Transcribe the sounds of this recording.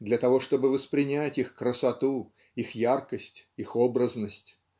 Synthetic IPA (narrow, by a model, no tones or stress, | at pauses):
d̪lʲɐt̪ɐvo̞ʂt̪o̞bɨvəspɾʲɪnʲætʲixkɾəsɐt̪u | ixjarkəsʲtʲixobɾəznəsʲtʲ